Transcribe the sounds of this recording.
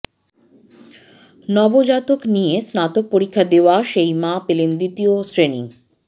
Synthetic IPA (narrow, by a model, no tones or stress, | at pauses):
nɔbod͡ʑat̪oknijesnat̪ok̚poɾikʰːad̪eoaʃejmãpelend̪it̪iosɾenḭŋ